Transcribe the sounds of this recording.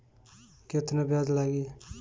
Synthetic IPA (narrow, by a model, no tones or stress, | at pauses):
ket̪nebjad̪laɡiː